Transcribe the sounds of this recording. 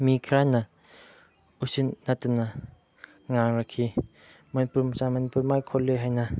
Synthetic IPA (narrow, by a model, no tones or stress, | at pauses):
mikʰɾanɐ | usinːatuna | ŋaŋɾakʰːi | manpuɾmsamanpuɾmajkʰɔlːɯjɦajna